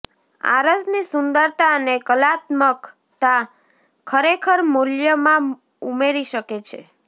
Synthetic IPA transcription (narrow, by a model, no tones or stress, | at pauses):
a̰ɾəd͡ʒnisʊnd̪əɾt̪aənekəlat̪mək | t̪a | kʰəɾekʰəɾmoljəmã | umeɾiʃəket͡ʃʰḛ